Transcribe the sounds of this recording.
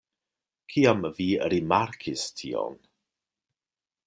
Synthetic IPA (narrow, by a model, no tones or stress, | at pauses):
kʰiːaməviːəɾimaɾkʰɪstʰḭɔ̰n